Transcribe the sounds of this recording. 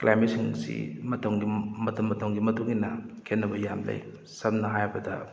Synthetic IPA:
klʔajmitsiŋsḭmɐtʰɐŋɡimɐtʰɐmːɐtʰɐwŋɡimɐtuŋinɐkʰenːɐbɐjamlɐ̰j | sɐmnɐɦajbɐdɐ

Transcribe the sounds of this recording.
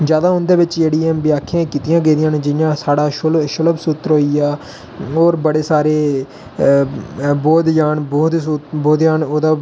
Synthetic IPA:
d͡ʒjaːd̪aːɦʊnd̪eːʋɪt͡ʃeːɽiãːmbɪjaːkʰːãːkiːt̪ɪjãːɡẽːd̪ɪjãːnd͡ʒɪjãːsaːɽaːʃlʃələbsuːt̪əɾɦoːiaː | oːɾbəɽeːsaːɾeː | boːd̪jaːnboːd̪sboːd̪jaːnoːd̪aː

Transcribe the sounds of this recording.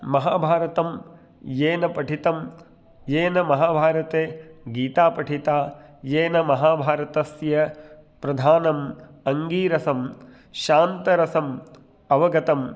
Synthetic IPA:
mɐɦaːbʱaːɾɐt̪ɐm | jeːnɐpɐʈʰit̪ɐm | jeːnɐmɐɦaːbʱaːɾɐt̪eːɡiːt̪aːpɐʈʰit̪aːjeːnɐmɐɦaːbʱaːɾɐt̪ɐsjɐ | pɾɐd̪ʱaːnɐm | ɐŋɡiːɾɐsɐm | ʃaːnt̪ɐɾɐsɐm | ɐʋɐɡɐt̪ɐm

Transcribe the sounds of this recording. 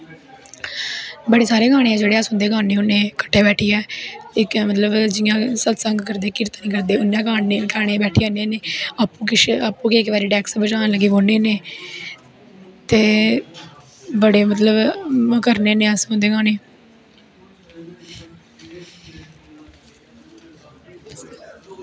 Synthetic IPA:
bəɽeːsaːɾeːɡaːɽ̃ẽːɛːd͡ʒeːɽeːəsʊ̃ːnd̪eːɡaːneːʊnːẽːkə̥ʈʰːeːbɛːʈʰiːɛːɪkːmət̪ləbd͡ʒɪjãːsət̪səŋɡkəɾd̪eːkɪɾt̪aːnĩːkəɾd̪eːʊnːẽːɡaːneːkɛːɽ̃eːbɛːʈʰiːaːneːneːaːpːũːkɪʃaːpũːkeːɪkʋɛːɾiːʈɛːksbət͡ʃaːnləɡiːboːneːneː | t̪eː | bəɽeːmət̪ləbkəɾneːneːəsʊ̃nd̪eːɡaːneː

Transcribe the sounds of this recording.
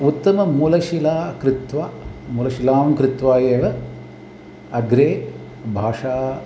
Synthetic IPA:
ut̪ːɐmɐmulɐʃilaːkɾɪt̪ʋaːmulɐʃilaːmkɾɪt̪ʋaːjeːʋɐ | ɐɡɾeː | bʱaːʂaː

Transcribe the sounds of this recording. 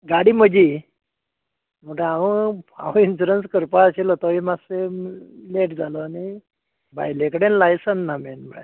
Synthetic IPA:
ɡaɽiːməd͡ʑi | məʈəaʋəa̰ʋinsuɾənskəɾpaaɕelot̪ɔaʋimaseleʈd͡zʱalɔani | bʱa̰jlekəɽenlajsənːamɛnməɽa̰

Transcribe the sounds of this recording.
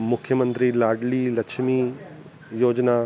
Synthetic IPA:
mʊkʰːjəmə̃nt̪ɾilaːɾɖlilɐkʃmi | joːd͡ʒna

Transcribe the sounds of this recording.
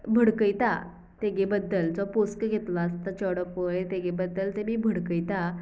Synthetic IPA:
bʱəɽkəjt̪a̰ | t̪eɡebəd̪ːəld͡zɔposkəɡʱet̪last̪at͡ɕəɽəpʋəjt̪eɡebəd̪ːəlt̪emiːbʱəɽkəjt̪a

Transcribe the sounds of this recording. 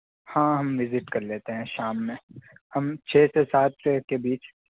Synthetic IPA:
hãːɦɐmʋɪzɪʈkɐɾleːt̪eɦɛ̃ʃaːmːẽhɐmt͡ʃʰeːsesaːt̪̚ʰkebiːt͡ʃ

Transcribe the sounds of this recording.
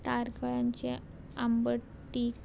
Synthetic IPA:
t̪aɾkəɭaɲt͡ɕe | ambə | ʈːik

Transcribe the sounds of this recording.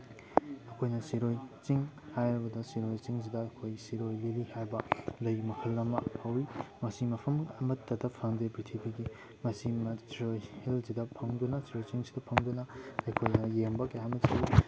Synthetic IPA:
ɐkʰojnɐsiɾojt͡ʃiŋhajɾɐbɐdɐsiɾojt͡ʃiŋs̬idɐːkʰojsiɾojlilihajbɐlɐjmɐkʰɐlːɐmɐhɐwimɐsimɐpʰɐmɐmɐtːɐdɐpʰɐŋdebɾitʰibiɡi | mɐsimɐtɾojhelsidɐpʰɐŋdunɐsiɾojt͡ʃiŋsidɐpʰɐŋdunɐɐjkʰojnɐjembɐkɐjamɐt͡ʃii

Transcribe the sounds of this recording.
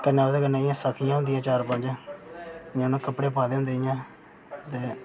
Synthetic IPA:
kənːaːd̪eːkənːeːɪjãːsəkʰɪjãːʊ̃nd̪ɪjãːt͡ʃaːɾpə̃nd͡ʒãː | jãnãːkəpːɽeːpʰaːd̪eːɦʊ̃nd̪eːɪjãː | t̪eː

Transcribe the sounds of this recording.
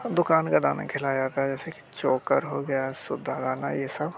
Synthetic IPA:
d̪ʊkaːnkad̪aːna̰kʰɪlaːjat̪ʰad͡ʒɛːseki̥t͡ʃoːkə̰ɾɦoɡɐjasʊd̪ʱːaɡ̪aːna̰jesɐb

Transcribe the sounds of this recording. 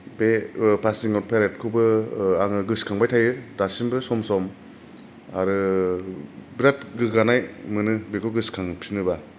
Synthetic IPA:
bepʰasiŋɔɾpʰeɾet̚kʰubɯaŋɯɡɯskʰaŋbajtʰajɯdasinbɯsɔmsɔm | aɾɯ | bɾatɡɯɡanajmɯnɯbekʰɔɡɯskʰaŋpʰinɯba

